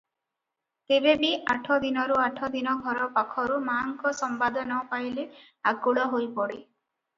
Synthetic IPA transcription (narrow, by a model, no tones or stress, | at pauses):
t̪ebebiaʈʰɔd̪inɔɾuaʈʰɔd̪inɔɡʱɔɾɔpakʰɔɾumaŋkɔsɔmbad̪ʱɔnɔpajle | aɡuɭɔɦojpɔɽe